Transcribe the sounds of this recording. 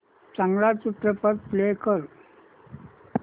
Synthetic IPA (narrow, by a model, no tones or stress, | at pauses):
t͡saŋɡɭat͡sut̪ɾəpəɾplekəɾ